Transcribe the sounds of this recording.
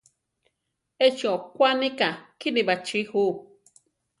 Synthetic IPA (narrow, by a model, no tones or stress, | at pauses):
et͡ʃiokʷanĩkakinibat͡ʃihu